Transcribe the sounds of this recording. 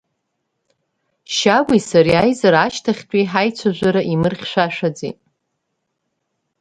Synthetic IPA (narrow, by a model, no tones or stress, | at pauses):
ʃaɡʷijsaɾiajzaɾaʃtʰaχʲtʼiħajt͡sʷʰaʒʷaɾaʔimɨrχʲʃʷᶣaʃᶣad͡zḭtʼ